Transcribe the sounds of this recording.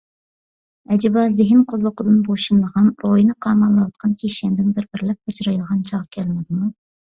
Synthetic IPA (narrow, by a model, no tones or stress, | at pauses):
ɛd͡ʒɪbɑzɪɦɪnqʰʊlˠːʊqəd̪ɨnboʃunlˠəʁɑnɾojinɨqʰɑmɑlˠːəwɑt̪̚qʰɑnkʲʰeʃɛnd̪ɪnbɪɾbɪɾlɪp̚ɑt͡ʃʰɾɑjlˠəʁɑnt͡ʃʰɑʁkʲʰɛlɪnɪd̪ɪmu